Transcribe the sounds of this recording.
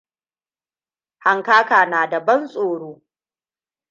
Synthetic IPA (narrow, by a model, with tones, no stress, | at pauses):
ha˨ŋkaː˦kaː˨naː˨dɐ˨bɐ˦nsʼoː˨ɽoː˦